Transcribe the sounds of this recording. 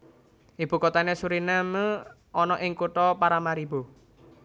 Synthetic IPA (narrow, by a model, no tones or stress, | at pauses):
ʔib̥ṳkɔt̪anesuɾinamə | ɔnɔʔɪŋkuʈɔpaɾamaɾibo